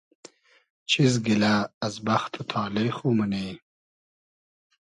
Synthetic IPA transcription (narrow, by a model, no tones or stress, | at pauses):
t͡ɕʰizɡilaːzbaxt̪ʰot̪ʰɑːlexuməne